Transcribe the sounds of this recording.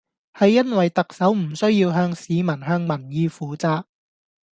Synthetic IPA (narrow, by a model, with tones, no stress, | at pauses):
hɐ˨jːɐ˥nwɐ˨jt̪ɐ˨k̚sɐ˨˥wm̩˨˩sɵ˥ɥjiː˧wɦœː˧ŋsiː˨˧mɐ˨˩nɦœː˧ŋmɐ˨˩njiː˧fuː˨˧t͡saː˨˧k̚